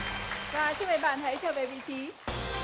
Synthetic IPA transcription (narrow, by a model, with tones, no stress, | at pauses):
vaː˨˦t͡ɕʰi˥ve˨˧˦ɓa̰ː˧˨nt̪ʰa˨˦sʰəː˧˨˩ve˨˩vḭ˧˨t͡ɕʰi˨˦